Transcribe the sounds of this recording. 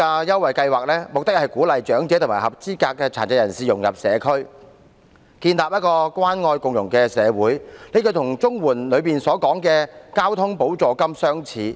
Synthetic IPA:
aː˧jɐ˥wɐ˨jkɐ˧jwaː˨k̚lɛː˥mʊ˨k̚t̪ɪ˥k̚hɐ˨˩jkuː˨˥lɐ˨jt͡ʃœː˨˥ŋt͡sɛː˨˥t̪ʊ˨˩maː˨˩hɐ˨p̚t͡siː˥kaː˧kːɛː˧t͡sʰa̰ː˨˩nt͡sɐ˧˩jɐ˨˩nsiː˨˩jʊ˨˩ŋjɐ̰˨˩p̚sɛ̰ː˨˧kʰɵ˥ɥ | kiː˧nlaː˨p̚jɐ˥t̚kɔː˧kwaː˥nŋɔː˧jkʊ˨ŋjʊ˨˩ŋkɛː˧sɛː˨˧wuː˨˥jle˨˧jkʰɵ˧t̪ʰʊ˨˩ŋt͡sʊ˥ŋwuː˨˩nlɵ˨˧ɥpiː˨nsɔː˨˥kɔː˨˥ŋkɛː˧kaː˥wt̪ʰʊ˥ŋpo˨˥wt͡sɔː˨kɐ˥msœː˥ŋt͡sʰiː˨˧

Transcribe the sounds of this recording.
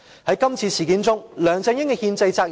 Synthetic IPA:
hɐ˨˥jkɐ˥mt͡sʰiː˧sʰiː˨˩kiː˨˥nt͡sʊ˥ŋlœː˨˩ŋt͡sɛː˧ŋjɪ˥ŋkɛ˧hiː˧nt͡sɐ˧jt͡saː˧k̚

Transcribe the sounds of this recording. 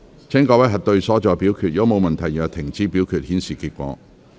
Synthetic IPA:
t͡sʰɛː˥ŋkɔː˧˥wɐ˨˥jɦɐ˨t̚t̪ɵ˧ɥsɔː˨˥t͡ʃɔː˨piː˨˥wkʰyː˨t̚jɐ˨˧wmo˨˧wmɐ˨nt̪ʰɐ˨˩jɐ˨˩t̪ʰɪ˨˩ŋt͡siː˧piː˨˥wkʰyː˨t̚hiː˨˥nsiː˨kʰiː˧t̚kʷɔ̰ː˨˧

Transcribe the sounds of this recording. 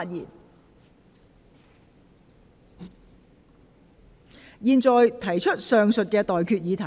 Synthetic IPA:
t̚jḭː˨˩n | jiː˨˧nt͡sɔː˨jt̪ʰɐ˨˩jt͡ʃʰɵ˥t̚sœː˨ŋsɵ˨t̚kɛː˧t̪ɔː˨jkʰyː˧t̚jiː˨˧t̪ʰɐ˨˩

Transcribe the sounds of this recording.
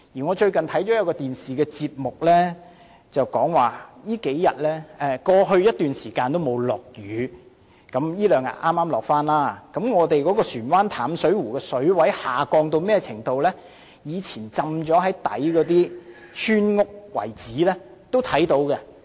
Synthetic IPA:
jiː˨˩ŋɔː˨˧t͡ʃɵ˧ɥkɐ˨nt̪ʰɐ˨˥jt͡ʃɔː˨˥jɐ˨˧wkɔː˧t̪iː˨nsiː˨˩kɛː˧t͡siː˧p̚mʊ˨k̚lɛ˥ | t͡sɐ˨wkɔː˨˥ŋwaː˨˩jiː˥ke˨˥jjɐ˨t̚lɛː˥ʔɛː˧kɔː˧ɦɵ˧ɥjɐ˥t̚t̪yː˨nsiː˨˩kaː˧nt̪o˥wmo˨˧wlɔː˨˩k̚jyː˨˧ | kɐ˨˥mjiː˥lœː˨˩ŋjɐ̰˨t̚ʔaː˥mːaː˥mlɔː˨k̚faː˥nlaː˥kɐ˨˥mŋɔː˨˧t̪e˨jkɔː˨˥kɔː˧syː˨˩nwaː˥nt̪ʰaː˨˥msɵ˨˥ɥwuː˨˩kɛː˧sɵ˨˥ɥwɐ˨˥jhaː˨˩kɔː˧ŋt̪o˧wmɛː˥˩t͡sʰɪ˨˩ŋt̪o˧wlɛː˥ | jiː˨˧t͡sʰiː˨˩nt͡sɐ˨˧mt͡ʃɔː˨˥ɦɐ˨˥jt̪ɐ̰˨˥jkɔː˨˧˥t̪̬iː˥ | t͡ʃʰyː˥nŋʊ˥k̚wɐ̰˨˩jt͡siː˨˥lɛː˥ | t̪o˥wt̪ʰɐ˨˥jt̪o˨˥wkɛ˧

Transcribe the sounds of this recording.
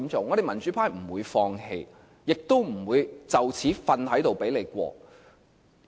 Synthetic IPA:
mt͡sʊ˨˥ŋːɔ˨˧ɾe˨jmɐ˨˩nt͡ʃy˨˥pʰaː˥jm̩˨˩wuː˨˧jfɔː˧ŋhe˧j | jɪ˨k̚t̪o˥wm̩˨˩wuː˨˧jt͡sɐ˨˩wt͡sʰiː˨˥fɐ˧nhɐ˨˥jt̪o˨˩wpe˨˥jle˨˧jkʷɔ̰ː˧

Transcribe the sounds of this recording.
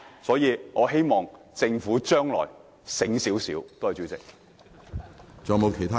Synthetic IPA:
sɔː˨˥jiː˨˧ŋɔː˨˧ɦe˥jmɔː˨ŋ | t͡sɪ˧ŋfuː˨˥t͡ʃœː˥ŋlɔ̰ː˨˩j | sɪ˨˥ŋsiː˨˥wsḭː˨˥wt̪o˥whɐ˨jt͡ʃyː˨˥t͡sɪ̰˨k̚ | t͡sɔː˨mo˨˧wkʰe˨˩jt̪ʰa˥

